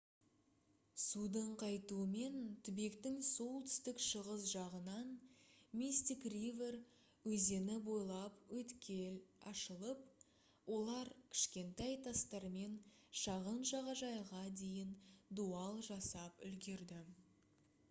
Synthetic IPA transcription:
sud̪əɴqʰɑjt̪uəme̞nt̪ʰʏbe̞kt̪ɪŋso̞lˠt̪ʰʏ̥st̪ɪkʃəʁəzʒɑʁənɑnmist̪ikrive̞r | wɵze̞nɪbo̞jlˠɑpwɵt̪kʲe̞lɑʃəlˠəp̚ | wo̞lˠɑɾkʲʰɪ̥ʃkʲe̞nt̪ɑjt̪ʰɑst̪ɑɾme̞n | ʃɑʁənʒɑʁɑʒɑjʁɑd̪e̞jɪnd̪uɑlˠʒɑsɑpʏ̰lɡʲe̞ɾd̪ɪ

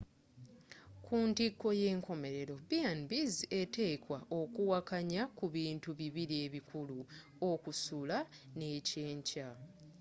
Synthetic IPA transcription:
kʰuːntikːo̞je̞ːŋko̞me̞ɾe̞ɾo̞bianbize̞te̞ːkwaʔo̞kuwakaɲakuβiːntuβiβiɾie̞ːβikulu | o̞kusulane̞ce̞ːɲca

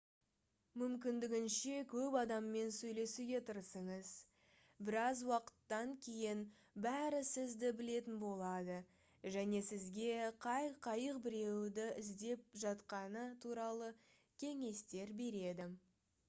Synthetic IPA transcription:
mʏmkʲɪnd̪ɪɡʲɪnʃe̞kʲʰɵpɑd̪ɑmːe̞nsɵjle̞suɡʲe̞t̪ʰəɾsəɴəz | bɪɾɑzwɑqə̥t̪ːɑŋkʲʰejɪn | bæɾɪsɪzd̪ɪbɪle̞t̪ɪnbo̞lˠɑd̪ə | ʒæne̞sɪzɡʲe̞qʰɑjqʰɑjəq̚bɪɾe̞wd̪ɪʔɪzd̪e̞p̚ʒɑt̪qɑnət̪ʰuɾɑlˠə | kʲʰe̞ŋe̞st̪e̞ɾbe̞ɾe̞d̪ɪ

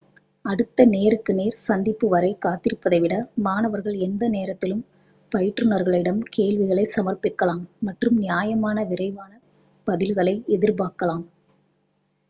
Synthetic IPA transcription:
ɐɽɯt̪ːɐneːɾɯkːɯneːɾsɐnd̪ɪpːɯʋɐɾɐɪkaːt̪ːɪɾɯpːɐðɐɪʋɪɽɐmaːnɐʋɐɾɣɐɭɛnd̪ɐneːɾɐt̪ːɪlɯm | pɐjɪʈrɯnɐɾɣɐɭɪɽɐmkeːɭʋɪɣɐɭɐɪsɐmɐrpɪkːɐlaːmːɐʈrɯmnɪjaːjɐmaːnɐʋɪɾɐɪʋaːnɐ | pɐðɪlɣɐɭɐɪɛðɪɾbaːkɐlaːm

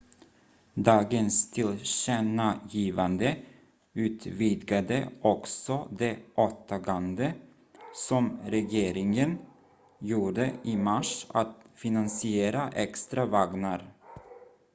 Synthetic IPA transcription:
d̪ɑːɡənst̪ʰɪlɕɛnajiːvand̪ə | ʉ̟ːt̪vid̪ɡad̪ə̰ɔksɔd̪ɛʔot̪ʰaɡand̪ə | sɔmɾɛjeːɾɪŋən | juːɖəɪmaʂat̪fɪnansɪeːɾaʔɛkst̪ɾavaɡnaɾ

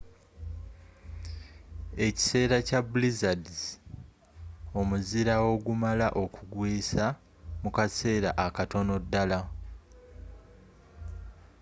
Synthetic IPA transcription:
e̞ci̥se̞ːɾacabulizadiz | o̞muziɾawo̞ɡumalaʔo̞kuɡwiːsa | mukase̞ːɾa̰ʔakato̞no̞dːala

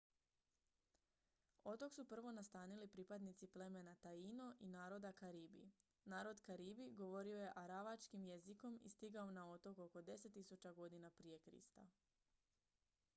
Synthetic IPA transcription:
o̞t̪o̞ksupr̩ʋo̞nast̪aːnilipɾipad̪nit̪siple̞me̞nat̪aino̞ʔinaːɾo̞d̪akaɾiːbḭ | naːɾo̞d̪kaɾiːbiɡo̞ʋo̞ɾio̞je̞ʔaɾaʋat͡ʃkimje̞ziko̞mḭst̪iɡaonao̞t̪o̞koko̞d̪e̞se̞t̪ːisut͡ʃaɡo̞d̪inapɾije̞kɾḭst̪a̰

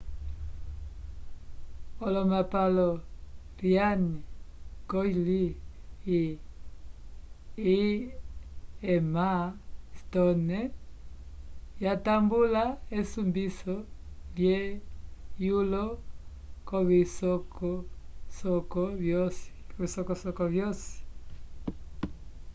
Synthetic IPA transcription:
ɔlɔmapalɔ | rjanikɔili | i | mastɔnɛ | jatambulaesumbisɔlje | julɔ | kɔβisɔkɔsɔkɔβjɔsβisɔkɔsɔkɔvjɔsi̥

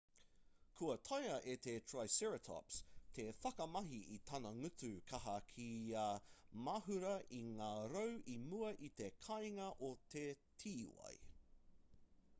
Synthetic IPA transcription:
kʰuɐt̪ʰɐjɐʔet̪ʰetʰɹajsɛɹət̪ʰɔ̰pst̪ʰefɐkɐmɐɦiit̪ʰɐnɐŋʉtʉkʰɐɦɐkʰiaːmɐɦʉɾɐʔiŋaːɾowʔimuɐʔit̪ekʰɐjŋɐʔot̪ʰetʰiːwɐ̰j

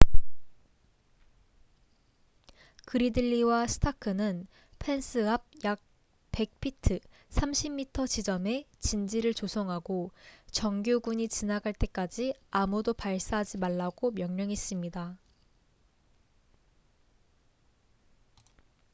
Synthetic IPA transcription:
kɯɾidɯʎːiwasʰɯ̥tʰakʰɯnɯn | pʰe̞nsʰɯɦap̚jak̚ | pe̞k̚pʰitʰɯ | sʰamɕʰimːitʰʌt͡ɕid͡ʑʌme̞t͡ɕind͡ʑiɾɯɭt͡ɕosʰʌŋɦaɡot͡ɕʌŋɡjoɡuɲit͡ɕinaɡaɭt͈e̞k͈ad͡ʑiamudopaɭs͈aɦad͡ʑimaɭːaɡomjʌŋɲʌŋis͈ɯmɲida

